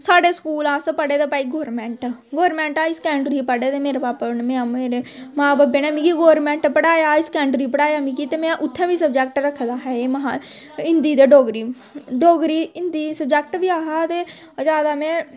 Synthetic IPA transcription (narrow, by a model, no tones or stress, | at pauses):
saːɖeːskuːlaːspəɽeːd̪eːpaːiːɡoːɾmɛ̃ːɳʈɡoːɾmɛ̃ːɳʈaːɪskɛːɳʈɾiːpəɽeːt̪eːmeːɾebaːpənmẽãmeːɾeː | maːbabeːnɛ̃ːmĩːkiɡoːɾmɛ̃ːɳʈpəɽaːjaːɪskɛ̃ːɳʈɾiːpəɽaːjaːmĩːkiːt̪eːmɛ̃ʔʊt̪ʰːẽːbiːsəbd͡ʒɛːk̚ʈɾəkʰd̪aːɦɛːeːma | ɪnd̪iːd̪eːɖoːɡɾiː | ɖoːɡɾiːɪnd̪iːsəbd͡ʒɛːk̚ʈʋiːaːɦaːt̪eː | d͡ʒaːd̪aːmɛ̃ː